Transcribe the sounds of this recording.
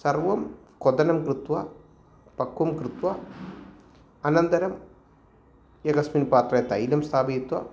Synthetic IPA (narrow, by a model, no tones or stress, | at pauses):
sɐrʋɐmkɔd̪ɐnɐmkɾɨt̪ʋɐ | pɐkːɐmkɾɨt̪ʋɐ | ɐnɐnd̪ɐɾɐm | jɐɡɐsminpaːt̪rɐjɐt̪ɐjlɐmst̪ʰaːbɐit̪wɐ̰